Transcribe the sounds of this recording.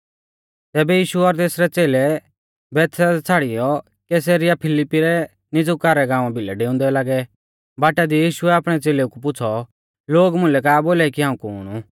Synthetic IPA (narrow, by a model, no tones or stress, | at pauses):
t̪ɛːbɛjiːʃuɔɾt̪eːsɾɛt͡seːlɛ | bɛːt̪ʰsat͡sʰaːɽɪjɔ | kɛs̬eɾɪjapʰɪlɪpːiɾɛ | nɪd͡zʊkaɾɛɡãːʋ̃ãbʱɪlɛ̰ɖeːʊ̃nd̪ɛlaːɡɛ | baːʈad̪ijiːʃʊɛaːpɽ̃ɛt͡seːleukup̬ʊt͡sʰɔ | loːɡmʊ̃lɛkaːboːlaikiɦãːũkuɦʊ̰ːɽ̃u